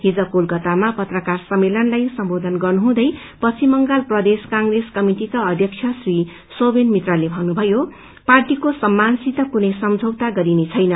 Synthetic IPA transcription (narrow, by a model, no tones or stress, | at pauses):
ɦid͡zʌkolkʌt̪amapʌt̪rʌkarsʌmːelʌnlajsʌmbod̪ʱʌnɡʌrnuɦũd̪ʌj | pʌt͡sʰimʌŋɡalprʌd̪eskãŋɡreskʌmiʈikaʌd̪ʱjʌk̚t͡sʰjʌsri | sobenmit̪ralebʱʌnːubʱʌjo | parʈikosʌmːansit̪ʌkunʌjsʌmd͡zʱʌwt̪aɡʌɾinet͡sʰʌjnʌ